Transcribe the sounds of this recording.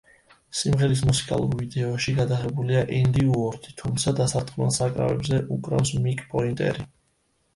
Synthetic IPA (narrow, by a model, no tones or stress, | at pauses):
simʁɛɾis̬musi̥kʼa̰lˠṵɾvid̪ɛɔʃiɡad̪aʁɛbuliaʔɛnd̪iuɔɾt̪ʰʼit̪ʰumt̪sʰad̪asat̪ʰʼχʼmɛlˠsakʼɾa̰vɛ̰bzɛʔukʼɾa̰fsmikʼpʼɔint̪ʼɛ̰ɾi